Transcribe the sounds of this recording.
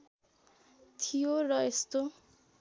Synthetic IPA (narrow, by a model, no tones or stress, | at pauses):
t̪ʰijorʌest̪o